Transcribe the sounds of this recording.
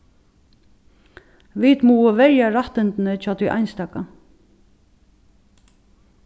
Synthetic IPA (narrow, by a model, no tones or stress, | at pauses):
ʋit̪muːəʋɛɹjaɾaht̪ɪnt̪nət͡ʃʰaːt̪ʰujʔa̰ɪjnst̪ɑːka